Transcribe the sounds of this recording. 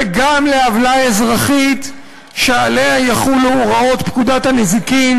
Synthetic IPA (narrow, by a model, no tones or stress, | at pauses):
ɡamleavlaezʁaχit̪ | ʃealeajaχuluʁao̞t̪pkud̪at̪hanezikim